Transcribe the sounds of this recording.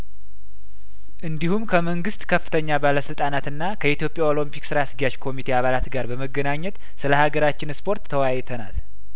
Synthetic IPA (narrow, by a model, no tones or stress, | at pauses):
ʔɨnd̪ihumkʰəməŋɡɨst̪kʰəfːɨ̥t̪ʰəɲːabaləsɨlt̪ʼanat̪ɨnːakʰəit̪jo̞pʼjao̞lompiksɨɾaasɡijat͡ʃkʰo̞mit̪ʰe̞aβalat̪ɡaɾbəməɡːənaɲːɛt̪ | sɨləhaɡəɾat͡ʃːɪnspʰo̞ɾt̪ʰːəwajt̪ʰəna̰l